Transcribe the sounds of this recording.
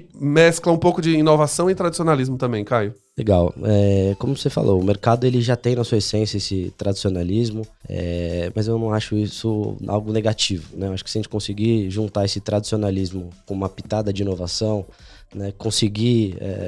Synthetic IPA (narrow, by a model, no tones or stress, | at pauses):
mɛsklɐũpowkʊd͡ʒɪĩnovasɐ̃w̃ɪ̃t̪ɾad͡ʒisionalizmʊt̪ɐ̃mbẽj̃kajʊ | leɡawɛkõmʊvosefa̰lʔoʊmeɾkad̪ʊelɪʒat̪ẽj̃nɐsuɐesẽsjɐesɪt̪ɾad͡ʒisionalizmʊɛ̰mɐzewnɐ̃w̃aʃʊisʊa̰wɡʊneɡat͡ʃivʊnɛewaʃʊ̥kɪ̥sjɐʒẽt͡ʃɪ̥kõsɪɡiʒũnt̪aesɪt̪ɾad͡ʒi̥sionalizmʊkõũmɐpit̪ad̪ɐd͡ʒɪĩnovasɐ̃w̃nɛkõsɪɡiɛ̰